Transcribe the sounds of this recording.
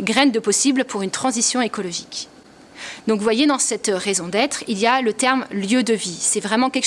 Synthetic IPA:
ɡʁɛnd̪əpɔsiblpuʁynt̪χɑ̃zisjɔ̃ekɔlɔʒik | d̪ɔ̃kvwajed̪ɑ̃sɛt̪ʁɛzɔ̃d̪ɛt̪χilijalət̪ɛʁmljød̪əvisɛvʁɛmɑ̃kʲɛlk

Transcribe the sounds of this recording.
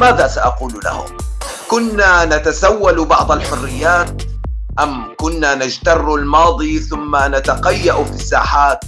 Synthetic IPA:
maːðaːsaʔɑquːlla̰hʊ̰m | kʊnːaːnat̪asawːalubɑ̰ʕd̪ˤalħʊrːɪjːaːt̪̚ʔamkʊnːaːnad͡ʒt̪ɑrˤːalmɑːd̪ˤiθʊmːanat̪aqajːaʔfisːa̰ːħaːt̪̚

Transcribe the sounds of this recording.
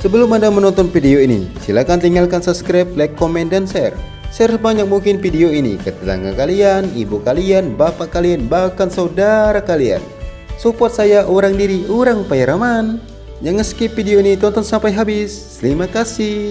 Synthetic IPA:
səbəlʊmadamənɔnt̪ɔnfideoinḭsilakant̪iŋɡalkansaskɾap̚lɛkːomɛndansɛr | sɛrsəbaɲak̚muŋkɪnfideoinḭkət̪ət̪a̰ŋɡa̰kalianḭbukalianbapaʔkalianbahkansaudaɾakalia̰n | supɔt̪̚sajaʔoɾaŋdiɾiuɾaŋupajaɾaman | jaŋːəskipideoinit̪ɔnt̪ɔnsampajɦabɪs | əlimakasi

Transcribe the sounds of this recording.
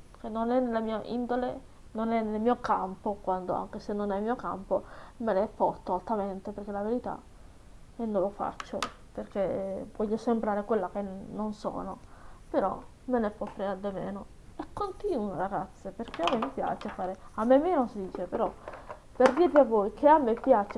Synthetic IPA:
kenːonɛnːelamiːaʔḭnd̪olḛ | nonɛnːelmiːokampokwand̪o̰a̰ŋkesenːonɛmːiːoka̰mpomenepɔt̪ːaalt̪ːament̪eperk̟elaveɾit̪a̰ | ɛnːõlofa̰t͡ʃːo̰ | perkevɔʎːosembɾaːɾekwelːakenːonsɔ̰ːnopeɾɔ̰ | menepɔfːɾead̪emeːno | ɛkːont̪iːnuaɾaɡat̪sːeperkeamːemːipja̰ːt͡ʃefaːɾeamːemːenosd̪iːt͡ʃepeɾɔ | perd̪iɾviavːojkʰeamːepjat͡ʃe

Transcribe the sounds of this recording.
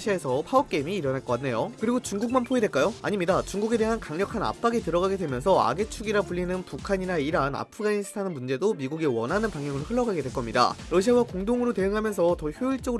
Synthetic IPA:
ɕʰiaesʰʌpʰaʌp̚k͈e̞imiːɾʌnaɭk͈k͈anːe̞jokɯɾiɡot͡ɕuŋɡuk̚manpʰoidwe̞ɭk͈ajoa̰ɲimɲidat͡ɕuŋɡuɡe̞de̞ɦankaŋɲʌkʰana̰p͈aɡetɯɾʌɣaɡe̞dwe̞mjʌnsʰʌa̰ɡe̞t͡ɕʰuɡiɾapuʎːinɯnpukʰaɲiɾaiɾana̰pʰɯɡaɲisʰɯ̥tʰanɯnmund͡ʑe̞domiɡuɡewʌnɦanɯnpaŋɦjʌŋɯɭɸɯɭːʌɡaɡe̞dweɭk͈ʌmɲida̰ɾʌɕʰawakoŋdoŋɯɾote̞ɯŋɦamjʌnsʰʌtʌçjoiɭt͡ɕ͈ʌɡɯ

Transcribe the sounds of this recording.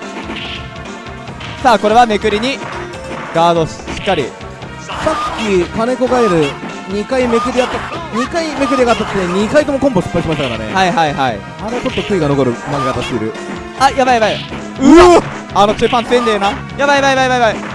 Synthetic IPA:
saːko̞ɾe̞β̞ame̞kɯ̟ɾʲiɲ̟i | ɡ̥aːd̪o̞ɕi̥ɕi̥kːaɾʲḭ | sakʲːikane̞koɡaeɾɯ̟ | ɲ̟ikaime̞k̬ɯ̟ɾʲiat̪ːaɲ̟ikaime̞k̬ɯ̟ɾʲiɡat̪ːat̪t̪ːeɲ̟ikait̪o̞mo̞kompo̞ɕi̥pːaiɕimaɕt̪akaɾa̰ne̞̰haiɦaiɦaḭ | aɾet͡ɕo̞t̪ːo̞kɯ̟iɡano̞ko̞ɾɯ̟maɡeɡat̪aɕeiɾɯ̟ | ajabaijaβai | ɯ | ano̞t͡ɕɨːpãñt͡sɨend̪ejona | jaβaiβaiβaiβajβai

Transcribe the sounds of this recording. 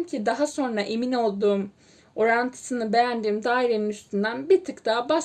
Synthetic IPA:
mcʰid̪aɦaso̞nɾaʔemino̞lˠd̪uːm | o̞ɾant̪ʰɯ̥sɯnɯbejænd̪iːmd̪aːiɾe̞ninyst̪ʰynd̪ænbiɾt̪ʰɯkt̪aba

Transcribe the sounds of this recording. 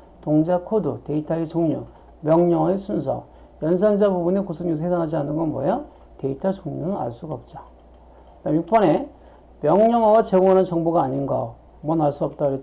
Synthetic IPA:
toŋd͡ʑakʰodṵte̞itʰait͡ɕoŋɲu | mjʌŋɲʌŋʌesʰunsʰʌ̰ | jʌns̬ʰand͡ʑabubunekusʰuɲusʰʌhesʰanɦad͡ʑianɯnɡʌnmwʌja | te̞itʰat͡ɕoŋɲunɯna̰ɭs͈uɡaʌp̚t͡ɕ͈a | namjuk̚p͈ʌne | mjʌŋɲʌŋʌɡat͡ɕeɡoɦanɯnt͡ɕʌŋboɡaːɲinɡa | mʌnaɭs͈uʌp̚t͈aɡɯɾe

